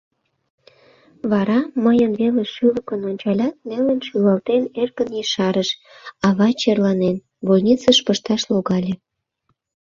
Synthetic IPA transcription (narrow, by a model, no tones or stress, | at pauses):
βɑɾɑməjənβeleʃyləkənonʲt͡ɕɑlʲɑt̪̚nelənʃylɑlt̪enerkənjiʃɑɾəʃ | ɑβɑt͡ɕerlɑnen | βolʲnʲit͡səʃpəʃt̪ɑʃloɣɑlʲe